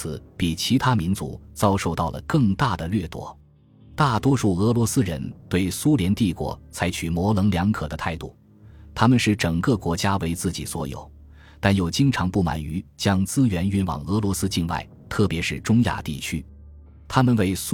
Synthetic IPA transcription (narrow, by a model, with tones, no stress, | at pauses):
ɹ̩˨˩˦pi˨˩t͡ɕʰi˧˥t̪ʰa˥mi˧˥nt͡sṵ˧˥t͡sɑ˥ʊʂo˥˧ʊt̪ɑ˥˩ʊlə̰˩kɤ˥˧ŋt̪a˥˩d̪ə˩lɥɛ˥˩t̪wɔ̰˧˥ | t̪a˥˩t̪wɔ˥ʂu˥˩ɤ˧˥lwɔ˧˥sɹ̩˥ɻə̰˧˥nt̪we˥˩ɪsu˥ljɛ˧˥nt̪i˥˩kwɔ̰˧˥t͡sʰa˧˥ɪt͡ɕʰy˨˩mwɔ˧˥lɤ˧˥ŋljɑ˧˥ŋkʰɤ˨˩d̪ə˦t̪ʰa˥˧ɪt̪u˥˩ | t̪ʰa˥mə˨nʂɻ̩˥˩ʈ͡ʂɤ˨˩ŋkɤ˥˧kwɔ˧˥t͡ɕja˥we˧˥ɪt͡sɹ̩˥˩t͡ɕi˨˩swɔ̰˧˥jo̰˨˩˦ʊ | t̪a˥˩njo˨˩ʊt͡ɕi˥ŋʈ͡ʂʰɑ˧˥ŋpu˥˩ma̰˨˩ny˧˥t͡ɕjɑ˥ŋt͡sɹ̩˥ɥɛ˧˥ny˥nwɑ̰˨˩ŋɤ˧˥lwɔ˧˥sɹ̩˥t͡ɕi˥˧nwa̰˥˩ɪ | t̪ʰɤ˥˩pjɛ˧˥ʂɻ̩˥˩ʈ͡ʂʊ˥ŋja̰˥˧˩t̪i˥˩t͡ɕʰy˥ | t̪ʰa˥mə˨nwe˥˩ɪs